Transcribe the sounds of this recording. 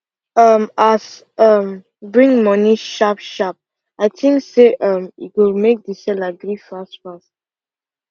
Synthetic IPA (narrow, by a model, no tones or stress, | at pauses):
ʌmas | ʌm | bɹĩŋmɔniʃapʃap̚ | aɪtʰĩŋkseʔʌmḭtwilmek̚disɛlaɡɹifastfast